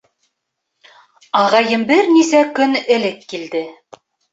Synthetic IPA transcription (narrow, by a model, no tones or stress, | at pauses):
ɑʁɑjɤmbɘɾnisækɵnɘ̆lɘkːild̪ɘ